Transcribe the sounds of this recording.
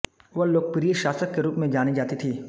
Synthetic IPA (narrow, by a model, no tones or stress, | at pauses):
ʋɐɦloːɡ̚pɾijəʃaːsəkːeɾuːpmẽd͡ʒaːnid͡ʒaːt̪it̪ʰiː